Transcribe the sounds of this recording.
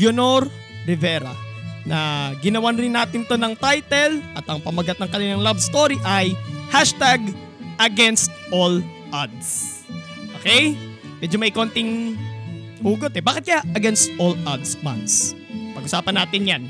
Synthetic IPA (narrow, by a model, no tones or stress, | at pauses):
ɡjonoɾ | ɾɪvɛːɾɐnɐɡɪnɐwanɾɪnːaːt̪ɪnt̪o̞nɐŋt̪ajt̪ɛlʔɐt̪ɐŋpɐmɐɡat̪̚ɐŋkɐnɪnɐŋlabst̪oɾiʔɐjhaʃt̪aɡ | ʔɐɡɛnst̪̚ʔol | ʔad̪s | ʔoːkɛj | mɛd͡ʒomɐɪko̞nt̪ɪŋ | huːɡot̪ɛbaːkɪt̪̚kɐjaʔɐɡɛnst̪ʔolʔad̪sma̰nspɐɡʔʊsaːpɐnːaːt̪ɪnjan